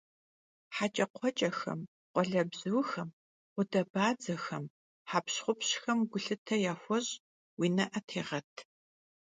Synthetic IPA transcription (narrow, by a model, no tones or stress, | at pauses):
ħat͡ʃʼɐqʷʰɔt͡ʃʼɐxɐ̰m | qʷɔɮɐbzɨwxɐm | qʷʊdɐbaːd͡zɐxɐm | ħaːpɕχʷʊpɕxɐmɡʷʊɬɨtʰɐjaːxʷɔɕʼ | wiːnɐʔɐtʰeːʁɐtʰ